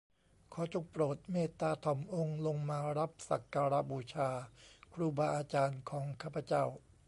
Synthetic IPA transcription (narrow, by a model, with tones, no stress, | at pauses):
kʰɔː˩˦t͡ɕʰo˧˩k̚pɾoː˨˩t̪̚meː˥˩t̪aː˧t̪ʰɔ˩˦mʔo˧ŋlo˧ŋmaː˧ɾa˦˥p̚sa̰˨˩kːaː˧ɾa˦˥buː˧t͡ɕʰaː˧kʰɾuː˧baː˧ʔaː˧t͡ɕaː˧nkʰɔː˩˦ŋkʰaː˥˩pʰa˧˦t͡ɕa˥˩w